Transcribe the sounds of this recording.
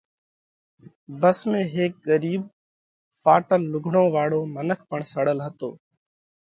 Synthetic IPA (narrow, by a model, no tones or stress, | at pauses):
bəsmẽːɦeːk̚ɠəɾiːb | faːʈəlːʊɡʱɳõːʋaːɽoːmənəkʰpəɳsəɽəlɦət̪o̰ː